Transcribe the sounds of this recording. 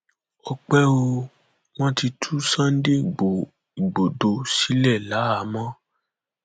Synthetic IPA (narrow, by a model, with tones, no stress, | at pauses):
ɔ˧k͡pɛ˦o˧ | w̃ɔ̃˦ti˧tʰu˦sã˦n̩˦de˦˨ɡ͡bo˨ | i˨ɡ͡bo˨do˨˧si˨˦lɛ˦˨la˨˦a˨˦mã˦